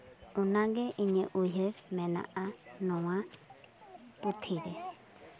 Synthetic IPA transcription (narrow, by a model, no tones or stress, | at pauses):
ũnãɡeʔĩɲə̃ʔuiɦəmɛ̃nã̰ʔanɔ̃wã | put̪ʰiɾe